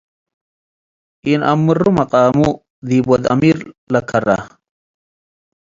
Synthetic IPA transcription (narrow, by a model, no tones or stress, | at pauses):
inʔɐ̰mːɨrumɐqʼaːmu | d̪iːbɐd̪ɐ̰miɾlɐkʰɐɾa̰